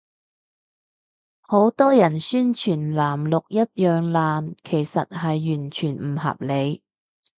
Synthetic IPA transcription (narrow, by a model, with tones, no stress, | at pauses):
ho˨˥wt̪ɔː˥jɐ˨˩nsyː˥nt͡ʃʰyː˨˩nlaː˨˩mlʊ˨k̚jɐ˥t̚jœː˨ŋlaː˨nkʰe˨˩jsɐ̰˨t̚hɐ˨jːyː˨˩nt͡ʃʰyː˨˩nm̩˨˩hɐ̰˨p̚le˨˧j